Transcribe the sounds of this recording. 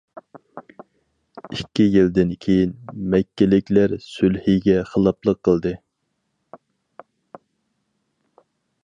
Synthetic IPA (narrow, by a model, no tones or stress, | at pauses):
ikʲːijild̪ɪnkʲʰejinmɛkʲːɪlɪkʲlæɾsylhiɡʲɛχəlˠɑplˠəqʰːəlˠd̪ɨ